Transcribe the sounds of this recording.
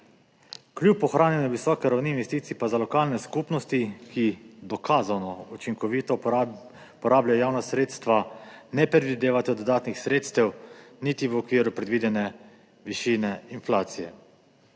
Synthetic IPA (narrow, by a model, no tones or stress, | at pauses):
klʲupɔxɾaːnjɛnɛʋisɔːkɛɾawninʋɛst̪iːt̪sipazalɔkaːlnɛskuːpnɔst̪ikʰid̪ɔkʰaːzanɔut͡ʃiŋkɔʋit̪ɔ | pɔɾaːblajɔjaːwnasɾeːt̪st̪ʋanɛpɾɛd̪ʋid̪eːʋat̪ɛd̪ɔd̪aːt̪nixsɾeːt̪st̪ɛwnit̪iʋɔkʋiːɾupɾɛd̪ʋiːd̪ɛnɛ | ʋiʃiːnɛinflaːt̪sijɛ̰